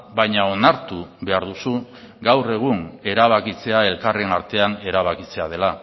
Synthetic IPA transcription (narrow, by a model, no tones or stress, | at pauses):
bajɲao̞naɾt̪uβe̞aɾðusu | ɡawre̞ɣ̞une̞ɾaβ̞akit͡se̞ae̞lkare̞naɾt̪e̞ane̞ɾaβakit͡se̞að̞e̞la